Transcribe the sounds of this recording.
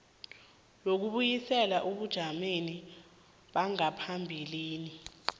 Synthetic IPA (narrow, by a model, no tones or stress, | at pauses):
lok̬uɓujisɛlaʔuɓud̥ʒ̥ʱameni | ɓaŋapʰambʱiliːni